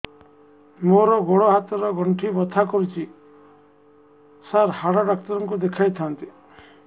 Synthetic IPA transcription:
moɾɔɡoɽɔɦat̪ɔɾɔɡʱɔɳʈʰibɔt̪ʰakɔɾut͡ʃʰi | saɾhaɽɔɖakt̪ɔɾɔŋkud̪ekʰajt̪ʰant̪i

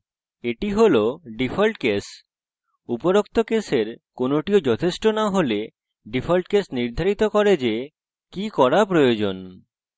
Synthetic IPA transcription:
eʈiɦoloɖifʰolʈkes | upoɾok̚t̪ʰokeseɾkonoʈiod͡ʑɔt̪ʰeʃʈonaɦole | ɖifʰolʈkesniɾd̪ʱaɾit̪okɔɾed͡ʑe | kikɔɾapɾojod͡ʑon

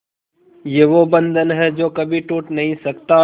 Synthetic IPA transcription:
jeːʋoːbə̃nd̪ʱənɦɛːd͡ʒoːkəbʱiʈuːʈnɐɦĩsəkt̪aː

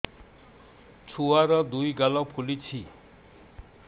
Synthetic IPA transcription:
t͡sʰuaɾʌd̪ujɡalɔpʰulit͡ɕʰi

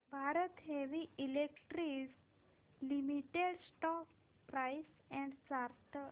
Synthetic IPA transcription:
bʱaɾət̪ɦeʋiilekʈɾis | limiʈeɽsʈɔk | pɾajs | ɛ̃ɳɖsaɾt̪ʰə

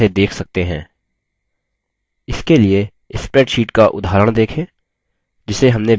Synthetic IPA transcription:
ed̪eːkʰsɐk̚t̪eɦɛ̰̃ː | ɪskelie | ɪspɾɛːʈʃiːʈkaʔʊ̰d̪ʱaːɾəɽ̃d̪eːkʰẽː | d͡ʒɪseɦɐ̃mne

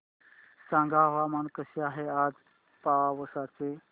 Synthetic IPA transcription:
sãŋɡʱaʋamankəɕeaɦead͡z | paaʋəsat͡se

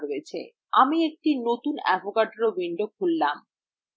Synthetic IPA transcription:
ɾoet͡ɕʰḛ | amiek̚ʈinot̪unɛbʱokaʈeɾobiɳɖokʰulːam

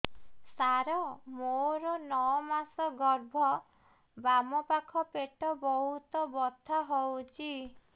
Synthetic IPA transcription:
saɾɔmoɾɔnɔɔmasɔɡɔɾbʱɔ | bamɔpakʰɔpeʈɔbɔɦut̪ɔbɔt̪ʰːaɦɔwt͡ʃʰi

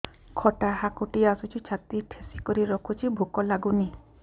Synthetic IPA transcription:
kʰɔʈaɦakuʈiasut͡ʃʰit͡ʃʰat̪iʈʰesikɔɾiɾɔkʰut͡ʃʰibʱukɔlaɡuni

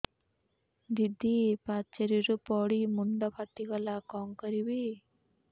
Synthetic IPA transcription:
d̪id̪ʱːipat͡ʃeɾiɾupɔɽimuɳɖɔpʰat̪ːikɔlakɔŋkɔɾibi

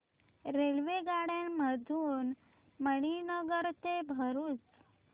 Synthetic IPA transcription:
ɾelʋeɡaɽjamməd̪ʱuːn | məɽ̃inəɡəɾt̪ebʱəɾuːt͡s

